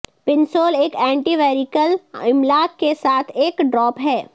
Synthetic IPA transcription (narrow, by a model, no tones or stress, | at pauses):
pɪnsoːleːkɛ̃ːɳʈiʋɛːɾikəlɪmlaːkːesaːt̪ʰeːkɖɾɔːpɦɛː